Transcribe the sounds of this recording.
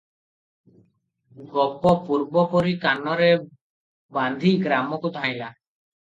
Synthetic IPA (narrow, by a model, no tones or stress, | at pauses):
ɡɔpɔpuɾbɔpɔɾikanɔɾe | band̪ʱiɡɾamɔkud̪ʱãj̃la